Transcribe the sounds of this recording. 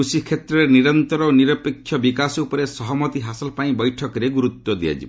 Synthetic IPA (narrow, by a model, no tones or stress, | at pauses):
usikʰet̪ɾɔɾeniɾɔnt̪ɔɾɔoniɾɔpekʰːjɔbikasupɔɾesɔɦɔmɔt̪iɦasɔlɔpaĩbɔjʈʰɔkɔɾeɡuɾut̪wɔd̪ia̰d͡ʒḭb